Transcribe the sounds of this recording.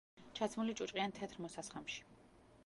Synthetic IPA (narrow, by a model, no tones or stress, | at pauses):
t͡ʃʰat̪sʰmulit͡ʃʼut͡ʃʼqʼiant̪ʰɛt̪ʰɾmɔsasχamʃi̥